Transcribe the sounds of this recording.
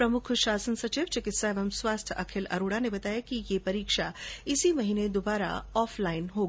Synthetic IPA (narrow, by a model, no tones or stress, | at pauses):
pɾɐmʊkʰʃaːsənsɐt͡ʃiːʋt͡ʃɪkɪt̪saeːʋəmswaːst̪ʰɐ̰kʰɪlɐ̰ɾuːɽanebɐt̪aːjakijepɐɾiːkʃaɪsimɐɦiːned̪ʊbaːɾa̰ɔːflaːɪnɦoː